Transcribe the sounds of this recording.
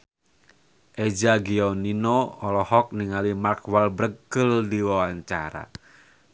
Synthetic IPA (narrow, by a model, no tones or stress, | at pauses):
ʔɛd͡ʒaɡiɔninɔɔlɔhɔk̚niŋalimarkwalbɾəkːəldiwawaɲt͡ʃaɾa̰